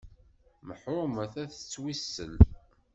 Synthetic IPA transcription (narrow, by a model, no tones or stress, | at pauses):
məħʊmæθæθə̥t͡sːwisːə̰l